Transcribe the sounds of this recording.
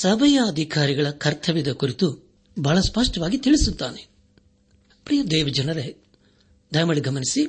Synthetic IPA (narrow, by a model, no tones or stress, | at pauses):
sɐbʱɐjɐːd̪ʱikaːɾiɡɐɭɐkɐɾt̪ʰɐʋid̪ɐkuɾit̪u | bʱaːɭɐspɐʂʈɐʋaːɡit̪iɭisut̪ːaːne | pɾijɐd̪ɛːʋɐd͡ʒɐnɐɾe | d̪ʱɐjmɐɭiɡɐmɐnisi